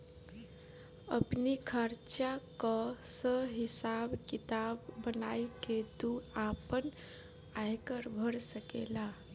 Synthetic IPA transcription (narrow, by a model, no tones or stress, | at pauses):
ə̰pnikʰəɾt͡ʃakɔsəɦisabkit̪abːənaiked̪uapən | ajkəɾbʱəɾsəkḛla